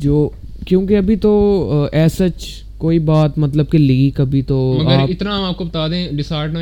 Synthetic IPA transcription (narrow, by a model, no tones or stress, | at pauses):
d͡ʒoː | kjũːkeɐbʱit̪oɛːsət͡ʃ | koːibaːt̪mɐt̪ləb̚keliːkɐbʱit̪omɐɡaəːɾɪt̪naɦmaːp̚kobɐt̪aːd̪ẽɖɪsaːɾʈna